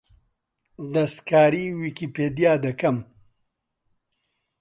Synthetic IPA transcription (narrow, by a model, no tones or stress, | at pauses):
d̪ɐst̪kaːɾiwikiped̪jaːd̪ɐkɐm